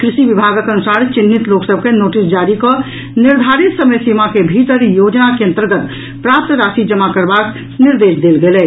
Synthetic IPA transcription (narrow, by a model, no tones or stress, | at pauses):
kɾisibibʱaɡəkənusaɾt͡ʃinːit̪loksəb̚ʱkenoʈisd͡ʒaɾikɔ | niɾd̪ʱaɾit̪səməjsimakebʱit̪əɾjod͡ʒnakeə̃nt̪əɾɡət̪ | pɾap̚t̪ɾasid͡ʒəmakəɾbak | niɾd̪esd̪elɡelɛ